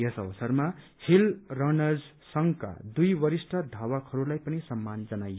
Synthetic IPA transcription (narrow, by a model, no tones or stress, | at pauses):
jʌsʌbʌsʌrma | hilrʌnʌd͡z | sʌŋka̰d̪ujbʌɾisʈʰʌd̪ʱawakʰʌɾulajpʌnisʌmːand͡zʌnaj